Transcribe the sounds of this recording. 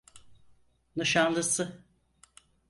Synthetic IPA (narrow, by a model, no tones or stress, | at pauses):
nɯʃanlˠɯsɯ